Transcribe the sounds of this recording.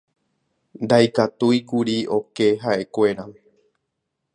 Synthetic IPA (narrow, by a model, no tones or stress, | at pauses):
nd̪ajkat̪ujkuɾio̞ke̞ɦaʔe̞kʷe̞ɾa